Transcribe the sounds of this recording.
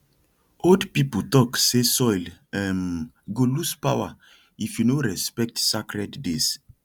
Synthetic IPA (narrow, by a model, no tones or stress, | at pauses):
odpipl̩tɔksesɔjlɛm | ɡoluspawa̰ | ifjunoɹɛspɛk̚tsakɹɛddes